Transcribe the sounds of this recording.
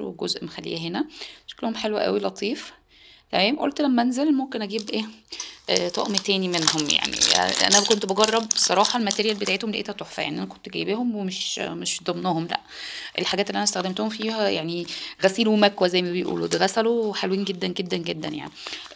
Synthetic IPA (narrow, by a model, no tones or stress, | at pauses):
wḛɡozʔmexælːḭːhæɦenæʃæ̥klohomħelwæ̰ʔæ̰wilɑt̪ˤiːf | t̪æmæːmʔo̰lt̪læmːæænzelmomkenʔæɡiːbʔeːʔt̪ˤɑ̰ʔmt̪æːnimenhomja̰ʕnḭʔæ̰nækont̪bɑɡɑrˤːɑb̚sˤɑɾˤɑːħɑlmæt̪eɾejælbet̪aʕet̪homleʔḛːt̪æt̪oħfæ̰jaʕniʔænækont̪ɡæjːbeːhomwemeʃmeʃd̪ˤɑmnohomlæ̰ʔʔḛlħaɡæːt̪eliʔænæst̪æxd̪emt̪ohomfiːhæjaʕniɣæsiːlwemækwæzæjːmæbejʔṵːlo̰d̪eɣæsæloħelwiːnɡed̪ːænɡed̪ːænɡed̪ːænja̰ʕni